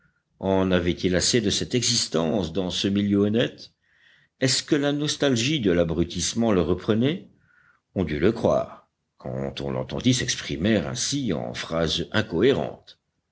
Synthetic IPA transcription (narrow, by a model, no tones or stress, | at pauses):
ɑ̃navɛt̪ilased̪əsɛt̪ɛɡzist̪ɑ̃sd̪ɑ̃səmiljøɔnɛt̪ | ɛskəlanɔst̪alʒid̪əlabʁyt̪ismɑ̃ləʁəpχənɛ | ɔ̃d̪yləkχwa̰ːʁ | kʰɑ̰̃t̪ɔ̰̃lɑ̃t̪ɑ̃d̪isɛkspχimɛʁɛ̰̃siɑ̰̃fχazɛ̃kɔeʁɑ̰̃t̪